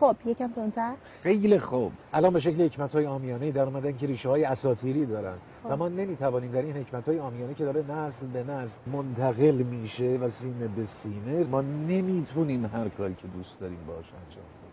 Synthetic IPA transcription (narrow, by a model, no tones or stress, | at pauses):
xob̥jecʰæmt̪ʰont̪ʰæɾ | xejlexoːb̥ʔælɒːnbe̞ʃ̬eclehe̞cʰmæt̪hɒːjeɒːmijɒːne̞jiːd̪æɾuːmæd̪æncʰeɾiːʃehɒːjeæsɒːt̪ʰiːɾiːd̪ɒːɾæ̰nd̪̥ | væmɒːne̞miːt̪ʰævɒːniːmd̪æɾinhe̞cʰmæt̪ʰhːjeɒːmijɒːnecʰe̞d̪ɒːɾe̞næslbe̞næslmont̪ʰæɣe̞lmiːʃe̞væsiːne̞besiːne̞mɒːne̞miːt̪ʰuːniːmɦæɾkʰɒːɾiːcʰe̞d̪uːst̪d̪ɒːɾiːmbɒːʃæ̰nt͡ʃʰe